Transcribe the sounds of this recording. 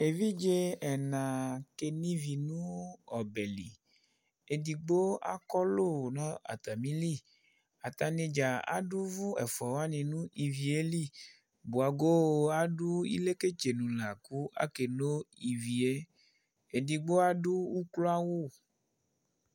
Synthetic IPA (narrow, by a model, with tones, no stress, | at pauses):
e˨vi˦d͡ʒe˦ɛ˨nã˨ke˨nĩ˦vi˨nũ˦ɔ˨bɛ˨lḭ˨ | e˨di˨ɡ͡bo˦a̰˦kɔ˦lo˦˨nã˦a̰˨t̪a˨mĩ˦li˦˨ | a˨t̪a˨ne˧d͡ʒa˨a̰˦du˦vu˦ɛ̰˨fɔ˨wa˦nĩ˨nũ˦ʔi˨vi˨e˦li˦˨ | bu˨a˨ɡo˦˨a˦du˦ḭ˦le˦ke˦t͡ʃe˨nũ˨la˨ku˦a̰˦ke˨no˦i˨vi˨e˦ | e˨di˨ɡ͡bo˦a˦du˦u˦klo˦a˦wu˦˨